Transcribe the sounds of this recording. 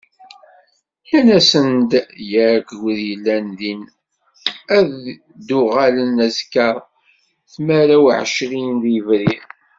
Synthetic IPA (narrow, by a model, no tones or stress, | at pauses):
jænæsənd̪jæɾɡwðjəlːænðin | æð | d̪ʊʁalənæzkɑɾˤ | θmæɾæwʕʃlinðivɾið